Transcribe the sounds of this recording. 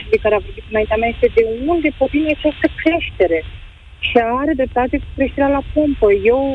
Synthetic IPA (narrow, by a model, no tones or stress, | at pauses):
d̪ekaɾeavo̞rbit̪ɨnaint̪eamʲaje̞st̪ed̪e̞mult̪d̪e̞pot̪inat͡ʃast̪əkɾeʃt̪e̞ɾe̞ | ʃiaɾed̪ɾe̞p̚t̪at̪e̞ku̥kɾeʃt̪e̞ɾealapompəje̞w